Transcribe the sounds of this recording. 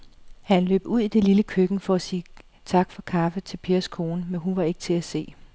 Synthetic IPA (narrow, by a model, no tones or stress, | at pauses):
hænlø̰ːb̥uð̞̰ˠid̥e̝liləkʰøɡ̥n̩fɒ̽æsiː | t͡sʰɑ̈ɡ̥fɒ̽kʰɑ̈fət͡sʰe̝lpʰe̝ːɐskʰo̝ːnəmenɦunʋɑ̈e̝ɡ̥ət͡sʰe̝æse̝̰ː